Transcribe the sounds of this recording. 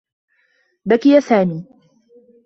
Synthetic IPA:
bakɪjasaːmiː

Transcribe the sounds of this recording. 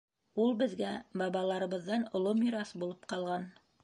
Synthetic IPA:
ulˠbɘ̆ðɡæbɑβɑlˠɑɾɤ̆βɤ̆ðːɑnŏlˠomiɾɑsbulˠɤpqɑlˠʁɑn

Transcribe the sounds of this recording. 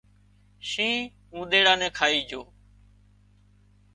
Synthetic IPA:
ʃĩː | ũːɗ̪eːɽaːnẽːkʰaːiːd͡ʒʱoː

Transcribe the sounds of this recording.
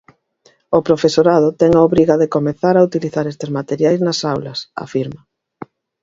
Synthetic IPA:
opɾofesoɾað̞ʊt̪ɛŋaoβɾiɣaðekomeθaɾaut̪iliθaɾest̪ezmat̪eɾjajznɐsawlɐsa̰fiɾmɐ

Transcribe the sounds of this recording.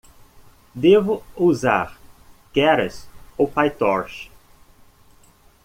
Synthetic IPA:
d̪evʊuza̰ɾkɛɾɐsopajt̪ɔɾʃ

